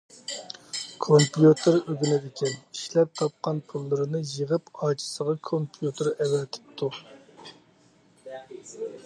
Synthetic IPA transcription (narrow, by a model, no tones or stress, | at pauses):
kʰompjut̪ʰɨɾøɡʲinɪd̪ɪkʲʰɛniʃlɛp̚t̪ʰɑp̚qɑnpʰulˠːɨɾɨnɨjəʁəpɑːt͡ʃʰɪ̥səʁɑkʰompʰjut̪ʰɨɾɛwɛt̪ʰɪ̥p̚t̪ʰu